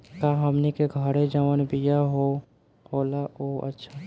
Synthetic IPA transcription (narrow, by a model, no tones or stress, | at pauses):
kaɦəmnikeɡʱəɾed͡ʒaʋənbijaɦo | oːlaoə̰tːʃʰa